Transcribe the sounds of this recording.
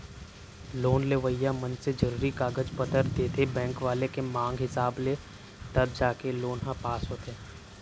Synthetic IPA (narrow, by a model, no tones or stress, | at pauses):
loːnleʋəjːamɐnsed͡ʒɐɾuːɾikaːɡəd͡ʒpɐt̪əɾd̪eːt̪ʰebɛ̃ːŋkʋaːlekemãːŋɡɦɪsaːble | t̪ɐb̚d͡ʒaːkeloːnɦãpaːsɦot̪ʰẽː